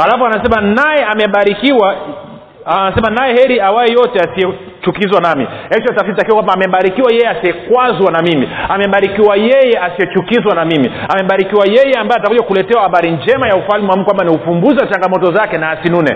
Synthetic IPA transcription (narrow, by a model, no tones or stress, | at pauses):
alafɔanasɛmanajɛamɛɓaɾikiwa | anasɛmanajɛhɛɾiawajɛjɔtɛasiɛ | t͡ʃukizwanamḭhɛt͡ʃɔtafitakiwakwambaːmɛɓaɾikiwajɛjɛasiɛkwazwanamimiamɛɓaɾikiwajɛjɛʔasijɛt͡ʃukizwanamimiamɛɓaɾikiwajɛjɛambajatakuʄakulɛtɛwahaɓaɾind͡ʒɛmajaufalmiwamkwambaniufumbuziwat͡ʃaŋɡamɔtɔzakɛnaːsinunɛ̰